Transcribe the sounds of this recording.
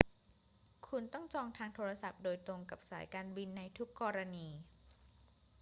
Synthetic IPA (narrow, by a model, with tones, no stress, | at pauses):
kʰu˧nt̪ɔ˥˩ŋt͡ɕɔː˧ŋt̪ʰaː˧ŋt̪ʰoː˧ɾa˧sa˨˩p̚doː˧jt̪ɾo˧ŋka˨˩p̚saː˩˦jkaː˧nbi˧nːa˧jt̪ʰu˦˥kːɔː˧ɾa˧niː˧